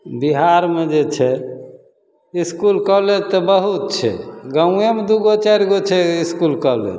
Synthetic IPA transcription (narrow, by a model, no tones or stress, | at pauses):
biɦaɾmed͡ʒet͡ʃʰɛ | iskulkəlet̪ɔbəɦut̪̚t͡ʃʰɛ̰ɡə̃emed̪uɡot͡ʃaɾɡot͡ʃʰɛiskulkəlḛ